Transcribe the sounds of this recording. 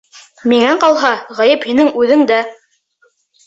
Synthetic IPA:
miŋæqɑlˠɦɑʁæjɘphinɘŋʉðɘŋd̪æ

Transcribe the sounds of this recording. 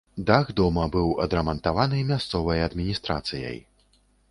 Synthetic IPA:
d̪aɣd̪ɔmɐbɨwɐd̪ɾɐmɐnt̪avanɨmʲast̪sɔvɐjɐd̪mʲinʲist̪ɾa̰t̪sɨjɐ̰j

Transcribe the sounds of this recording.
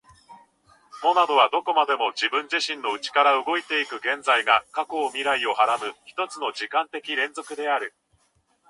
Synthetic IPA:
mo̞nad̪o̞βad̪o̞ko̞mad̪e̞mo̞d͡ʑibɯ̟̃ɲ̟d͡ʑiɕĩnːo̞ɯ̟t͡ɕi̥kaɾaɯ̟ɡo̞it̪e̞ikɯ̟ɡẽ̞nzaiɡakako̞ːmʲiɾaio̞haɾabɯ̟çi̥t̪o̞t͡sɨno̞ʑikãnt̪e̞kʲiɾẽ̞nzo̞kɯ̟d̪e̞aɾɯ̟

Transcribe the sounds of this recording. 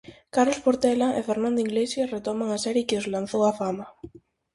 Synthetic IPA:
kaɾlospoɾt̪ɛlaʔefeɾnãnd̪oiɣlesjaret̪ɔmaŋasɛɾjɪkɪozlan̟θowafama

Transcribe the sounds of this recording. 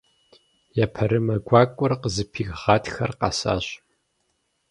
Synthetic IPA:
japʰɐɾɨmɐɡʷɑːkʷʼʊrqəzɨpʰiːɣʁɑːtxɐrqɑsa̰ːɕʼ

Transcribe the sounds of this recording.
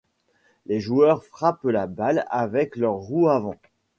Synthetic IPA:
leʒuœʁfχaplabalavɛklœʁːuavɑ̃

